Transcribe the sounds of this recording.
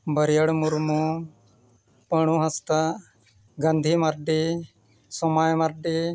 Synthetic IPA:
bəɾjəɽmuɾmu | pəɽ̃uɦɐst̪a | ɡand̪ʱimaɾɖi | sɔmajmɐɾɖi

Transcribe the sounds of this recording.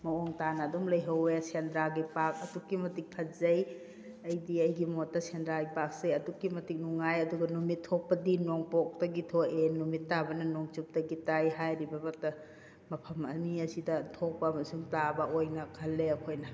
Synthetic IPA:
mɐoŋtanɐdumlɐjɦɐwesendɾaɡipak̚ɐdukːimɐtik̚pʰɐzɐj | ɐjdiɐjɡimotːɐsendɾaɡipak̚sɐjɐdukːimɐtik̚nuŋajɐduɡɐnumitʰːok̚pɐdinoŋpok̚tɐɡitʰoenumitːabɐnɐnoŋt͡ʃup̚tɐɡitajɦajɾibɐbɐtɐ | mɐpʰɐmɐ̰niɐsidɐtʰok̚pɐmɐsumtabɐʔojnɐkʰɐlːeɐkʰojnɐ

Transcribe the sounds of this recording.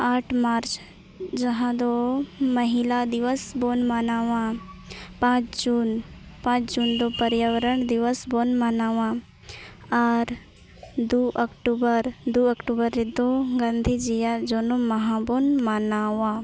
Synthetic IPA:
aːʈʰmaːɾt͡ʃ | d͡ʒɐɦãd̪omɐɦilad̪iʋəsbonmanaːʋã | pãːt͡ʃd͡ʒuːnpãːt͡ʃd͡ʒuːnd̪opɐɾjaʋəɾəɳd̪iʋəsbonmanaːʋã | aɾ | d̪uʔɐkʈubəɾd̪uɐkʈubəɾːid̪oɡãnd̪ʱid͡ʒijad͡ʒonomɐɦãbonmanaːʋã

